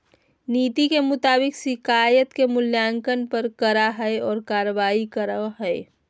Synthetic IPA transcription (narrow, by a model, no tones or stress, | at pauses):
niːt̪ikemʊt̪aːbɪksɪkaːjət̪kemʊljaːŋkənpəɾkəɾaɦɛeɔːɾkaːɾəʋaːikəɾaɦɛe